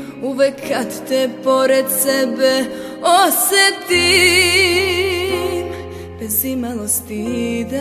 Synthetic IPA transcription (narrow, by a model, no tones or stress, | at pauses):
uʋekʰːad̪t̪ɛpoɾɛd̪sɛbɛ | osɛt̪i | m | b̥ɛzimalost̪id̪a